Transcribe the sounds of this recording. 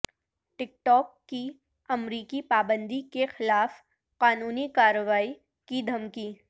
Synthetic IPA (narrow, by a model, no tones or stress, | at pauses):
ʈɪk̚ʈɔːkːi | ɐmɾiːkipaːbə̃nd̪ʱikexɪlaːf | qaːnuːnikaːɾəʋaːi | kid̪ʱɐmkiː